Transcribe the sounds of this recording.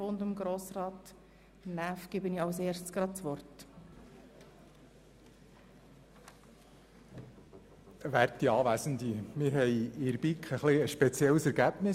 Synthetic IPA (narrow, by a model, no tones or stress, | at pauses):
ondəmɡɾoːsrɑːt | næfɡ̥ɪbəniɑʊseːɾssɡ̥ɾɑ̥t͡sʋɔrt | ʋæɾtiɑːʋæsən̩d̪imɪɾɦɛjɪɾbikχəχliəʃpɛt͡sjɛləsɛɾɡæb̥nɪ